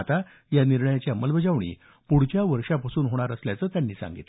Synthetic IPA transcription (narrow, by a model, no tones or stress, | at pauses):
t̪a | janiɾɳəjat͡ɕjaəməlbəd͡zaʋɳḭː | puɽt͡ɕjaʋəɾʂapasuːnɦoɽ̃aɾəsljat͡səːt̪janːiːsã̰ŋɡḭt̪